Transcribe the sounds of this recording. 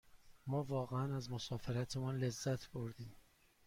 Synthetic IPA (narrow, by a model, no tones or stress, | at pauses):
mɒːvɒːɣeænæzmosɒːfeɾæt̪ʰemunle̞zːæt̪ʰboɾd̪iːm